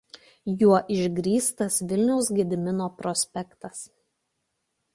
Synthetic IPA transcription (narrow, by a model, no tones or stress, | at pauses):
juɔʔɪʒʲɡɾʲiːst̪ɐsʋʲɪlʲnʲɛʊsɡʲɪd̪ʲɪmʲɪnoːpɾɔsʲpʲɛkt̪ɐs